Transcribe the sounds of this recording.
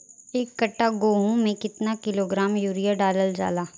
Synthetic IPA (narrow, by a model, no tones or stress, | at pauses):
eːkːɐʈːaɡoːɦõmẽkɪt̪nakɪloːɡɾaːmjuːɾijaɖaːləld͡ʒa̰ːlaː